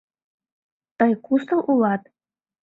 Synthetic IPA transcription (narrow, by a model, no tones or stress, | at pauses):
t̪ɤjkust̪ə̆lʔulɑt̪̚